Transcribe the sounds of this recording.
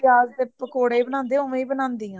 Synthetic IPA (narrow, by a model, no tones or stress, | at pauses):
aːzd̪eːpəkoːɽeːibənãːnd̪eːõʋẽiːbənãːnd̪iːãː